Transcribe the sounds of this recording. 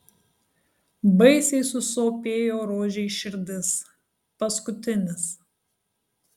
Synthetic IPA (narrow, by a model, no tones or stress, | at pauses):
bɐɪsʲɛɪsʊsoːpʲeːjoːɾoːʒʲɛɪʃʲɪɾʲd̪ʲɪs | pɐskʊt̪ʲɪnʲɪs